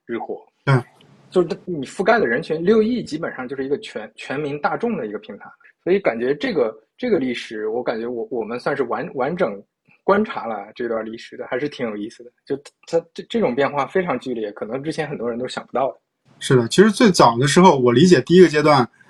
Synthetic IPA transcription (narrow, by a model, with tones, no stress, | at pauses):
ɻɻ̩˥˩xwɔ˧˥ | t̪we˥˩ | t͡ɕjo˥˧ʊ˥˩na˥˩˥ni˨˩fu˥˧ka˥ɪd̪ə˨ɻə˧˥nt͡ɕʰy˧˥nljo˥˧ʊi˥˩t͡ɕi˥pə˨˩nʂɑ˥˧t͡ɕjo˥˧ʊʂɻ̩˥˧˩ɡə˧t͡ɕʰɥɛ˧˥nt͡ɕʰɥɛ˧˥nmi˧˥ŋt̪a˥˧ʈ͡ʂʊ˥˩ŋd̪ə˩i˧˥ɡə˧pʰi˧˥ŋt̪ʰa˧˥ɪ | swɔ˧˥i˧˥ka˨˩nt͡ɕɥɛ˧˥ʈ͡ʂɤ˥˩ɡə˩ʈ͡ʂɤ˥˩ɡə˩li˥˩ʂɻ̩˨˩˦wɔ˧˥ka˨˩nt͡ɕɥɛ˧˥wɔ˧˥wɔ˨˩mə˦nswa˥˧nʂɻ̩˥˩wa˧˥nwa˧˥nʈ͡ʂɤ˨˩˦ŋ | kwa˥nʈ͡ʂʰa˧˥lə˧˩ʈ͡ʂɤ˥˩˧t̪wa˥˧li˥˩ʂɻ̩˨˩d̪ə˩xa˧˥ɪʂɻ̩˥t̪ʰi˧˥ŋjo˨˩i˥˩sɹ̩˩d̪ə˩t͡ɕjo˥˧˩ʊt̪ʰa˥ʈ͡ʂʈ͡ʂɤ˥˩ʈ͡ʂʊ˨˩ŋpjɛ˥˧nxwa˥˩fe˥ɪʈ͡ʂʰɑ˧˥ŋt͡ɕy˥˧ljɛ˥˩kʰɤ˨˩nɤ˧˥ŋʈ͡ʂɻ̩˥t͡ɕʰjɛ˧˥nxə˨˩nt̪wɔ˥˧˥nt̪o˥ɕjɑ˨˩pu˧˥t̪ɑ˥˩ʊd̪ə˩ | ʂɻ̩˥˩d̪ə˩t͡ɕʰi˧˥ʂɻ̩˧˥t͡swe˥˩ɪt͡sɑ˨˩ʊd̪ə˦ʂ̬ɻ̩˧˥xo˥˧˩ʊwɔ˨˩li˧˥t͡ɕjɛ˨˩t̪i˥˧i˥ɡə˧t͡ɕjɛ˥t̪wa˥˩n